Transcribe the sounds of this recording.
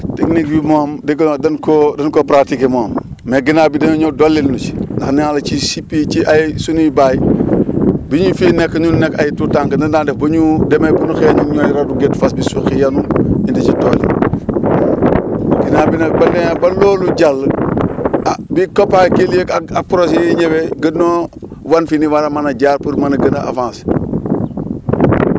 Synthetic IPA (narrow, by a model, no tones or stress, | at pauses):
teknik̚bimoːmdeɡdɐnkodɐnkopɾatikemomː | eɡinabidemeɲodolːelnut͡ʃndaxnialɐt͡ʃisipit͡ʃiʔajsunuibaji | biɲufinekːɲunnekajtutaŋkndɐndandefbɐɲudemebunuxeɲunɲojɾaduɡetfasbisuxijanuindit͡ʃitoːlḭ | kinaːbinɐk̚bɐndenabɐloːluɟalː | bikopakeljekapuɾos̬eɲeweɡədnowanfiniwaɾamanaɟaːɾpuɾmanɐɡənaʔa̰fãːns